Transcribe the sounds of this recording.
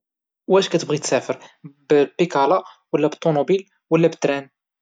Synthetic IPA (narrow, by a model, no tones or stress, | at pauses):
wæʃkæt̪əbʁit̪sæfəɾbpikɑlɑ | wəlːæbət̪ˤːomobil | wəlːæbət̪ɾæn